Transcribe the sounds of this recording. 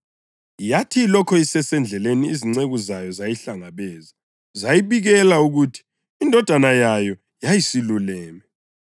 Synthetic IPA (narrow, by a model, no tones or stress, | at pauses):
jatʰilɔkʰɔisɛsɛnd͡ɮʱɛleniiziŋ͡ǀeɣuzajɔzajiɬaŋaβɛːza | zajiβiɣɛlauɣutʰi̥ː | ndʱɔd̥ʱanajajɔ | jajisilulɛːmɛ